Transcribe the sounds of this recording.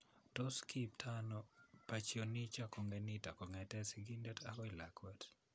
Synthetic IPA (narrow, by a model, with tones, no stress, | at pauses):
tɔ˦skiptʰanɔpa˨t͡ʃio˨ni˦t͡ʃa˦ko˨ŋɡe˨nɪta˨kɔ˨ŋɛ˨tɛ˦si˨ɡi˦ndɛ˦ta˦kɔ˦ɪ˨lakwat